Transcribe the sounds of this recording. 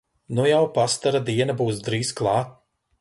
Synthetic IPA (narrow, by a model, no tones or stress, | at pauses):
nujawpast̪aɾad̪iɛnɐbuːsd̪ɾiːzklˠɑːt̪̚